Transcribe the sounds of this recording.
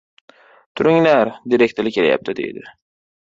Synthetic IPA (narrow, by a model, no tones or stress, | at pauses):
t̪ʰʊɾɪŋlaɾd̪iɾek̚ʲt̪ɪlɪkʰʲelaja̰p̚t̪ʰɪd̪ḛjd̪ɪ